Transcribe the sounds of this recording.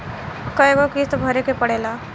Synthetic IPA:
kɐeɡokist̪bʱɐɾekepɐɽeːlaː

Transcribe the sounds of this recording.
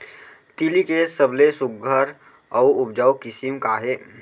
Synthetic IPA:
t̪ilikesəblesʊɡʱəɾ | ɔːʊp̚d͡ʒaːwkɪsimkaɦɛː

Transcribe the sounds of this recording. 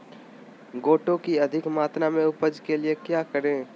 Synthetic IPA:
ɡoːʈõkiɐd̪ʱɪkmaːt̪namẽʊpəd͡ʒkeliekjaːkəɾẽː

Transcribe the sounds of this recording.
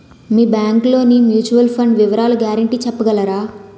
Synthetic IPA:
miːbjaːŋklo̞ːnimjuːt͡ʃuʋɐlpʰɐɳɖʋiʋɐɾaːlɐɡjaːɾɐɳʈiːt͡ʃɛpːɐɡɐlɐɾaː

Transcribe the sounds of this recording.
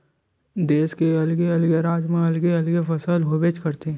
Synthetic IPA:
d̪eːskeɐlɡeɐlɡeɾaːd͡ʒmẽɐlɡeɐlɡefɐsəlɦobeːt͡ʃkɐɾt̪e

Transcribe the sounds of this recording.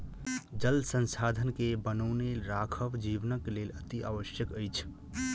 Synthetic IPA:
d͡ʒəlsə̃nsad̪ʱənkebənəwneɾakʰəʋd͡ʒiʋnəklelət̪ia̰ʋəsjəkəjt͡ʃʰ

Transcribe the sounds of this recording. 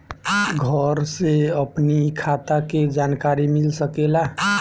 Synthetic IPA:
ɡʱəɾseəpnikʰat̪aked͡ʒankaɾimilsəkela

